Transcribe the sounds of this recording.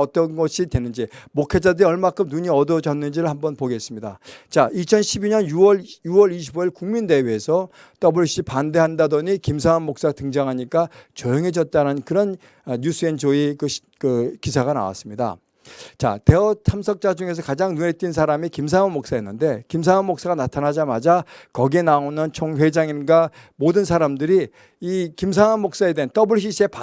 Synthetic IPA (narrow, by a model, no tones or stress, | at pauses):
ʌt͈ʌnɡʌɕʰidwe̞nːɯnd͡ʑimokʰed͡ʑadɯɾiʌɭmakʰɯmnuɲiʌdod͡ʑʌnːɯnd͡ʑiɾɯɭhambʌnpoɡes͈ɯmɲida̰t͡ɕaʔit͡ɕʰʌnɕʰibiɲʌnjuwʌjuwʌɾiɕ̬ʰiboiɭkuŋminde̞weːsʰʌ | t͈ʌbɯɭɕ͈ipande̞ɦandadʌɲikims̬ʰaomːok̚s͈atɯŋd͡ʑaŋɦaɲik͈at͡ɕʌjʌŋɦed͡ʑʌt̚t͈aɾanɯnkɯɾʌn | jus͈ʰɯend͡ʑoikɯɕ | kɯkisʰaɡana̰wa̰s͈ɯmɲida̰ | t͡ɕa̰te̞ʌtʰamsʰʌk̚t͡ɕ͈ad͡ʑuŋe̞s̬ʰʌkad͡ʑaŋnune̞t͈̚ɥins̬ʰaɾamikimsʰaŋʌmːok̚s͈aenːɯnde̞kims̬ʰaŋʌmːok̚s͈aɡanatʰanad͡ʑamad͡ʑakʌɡie̞naonɯnt͡ɕʰoŋɸwe̞d͡ʑaŋinɡwamodɯnsʰaɾamdɯɾi | ikims̬ʰaŋamːok̚s͈ae̞deɯnt͈ʌbɯɭɕ͈ʰiɕʰe̞p